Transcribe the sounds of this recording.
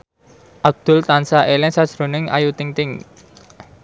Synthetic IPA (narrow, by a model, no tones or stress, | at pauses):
ʔab̚d̪̥ʊ̤lt̪ansaʔelɪŋsad̥ʒ̥ɾo̤nɪŋʔa̰jut̪ɪŋt̪ɪŋ